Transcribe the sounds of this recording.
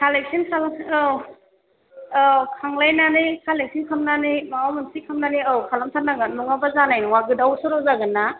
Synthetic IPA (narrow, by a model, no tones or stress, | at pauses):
kʰalek̚sinkʰal | kʰaŋlajnanikʰalek̚sinkʰamnanimaawmɯnsikʰamnaniawkʰalamsʰanaɡɯnɔŋabazanajnɔŋaɡɯdawsuɾɔwzaɡɯnːa